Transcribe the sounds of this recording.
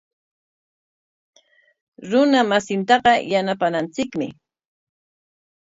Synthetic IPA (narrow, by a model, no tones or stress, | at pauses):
ɾʊnamasɪnt̪ɑɢɑjanapanant͡sɪkmɪ̰